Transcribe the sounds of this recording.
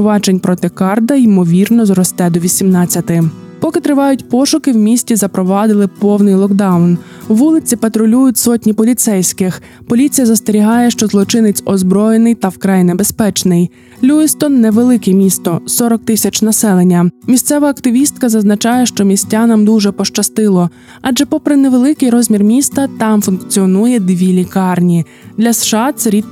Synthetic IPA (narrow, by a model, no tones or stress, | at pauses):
ʋɑd͡ʒenʲpɾɔt̪ɪkɑrd̪ɐimɔʋʲirnɔzrɔst̪ɛd̪ɔʋʲisʲimnɑt͡sʲːɐt̪ɪ | pɔkɪt̪ɾɪʋɑjʊtʲpɔʃʊkɪwmʲisʲtʲizɐpɾɔʋɑd̪ɪlˠɪpɔwnɪjlˠɔkd̪ɑwn | wːulˠɪt͡sʲipɐt̪ɾɔlʲujʊtʲsɔtʲnʲipɔlʲit̪sɛjsʲkɪx | pɔlʲit͡sʲijɐzɐst̪eɾʲiɦɑjɛʃt͡ʃɔzlˠɔt͡ʃɪnɪt͡sʲɔzbɾɔjenɪjt̪ɐwkɾɑjnebespɛt͡ʃnɪj | lʲuɪst̪ɔnːɛʋelˠɪkɛmʲist̪ɔsɔɾɔk̚t̪ɪsʲɐt͡ʃnɐsɛlˠenʲːɐmʲisʲt̪sɛʋɐːkt̪ɪʋʲist̪̚kɐzɐznɐt͡ʃɑjɛʃt͡ʃɔmʲisʲtʲanɐmd̪uʒɛpɔʃt͡ʃɐst̪ɪlˠɔ | ɑd͡ʒɛpɔpɾɪneʋe̞lˠɪkɪjɾɔzʲmʲirmʲist̪ɐt̪ɑmfunkt͡sʲiɔnujɛd̪ʋʲilʲikɑrnʲi | d̪lʲɐsʃɑt̪sɛɾʲit̪